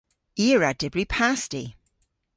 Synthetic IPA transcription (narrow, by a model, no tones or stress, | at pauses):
iəɹad̥ɪbɹipʰasti